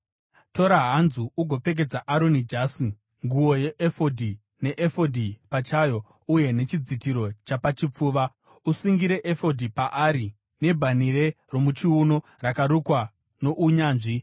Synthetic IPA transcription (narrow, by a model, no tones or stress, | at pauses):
to̞ɾaɦanzuuɡʱo̞pe̞k̬e̞d͡zaʔaɾo̞nid͡ʒaːsi | ŋɡuo̞je̞ʔefodʱi | ne̞ʔefodʱipat͡ʃajo̞ | uje̞ne̞t͡ʃid͡zitiɾo̞t͡ʃapat͡ʃip͡fuːʋa | usiŋɡiɾe̞ʔefo̞dʱipaʔaɾi | ne̞bʱaniɾe | ro̞mut͡ʃiuno̞ | rakaɾukwa | no̞ʔuɲaːnʐi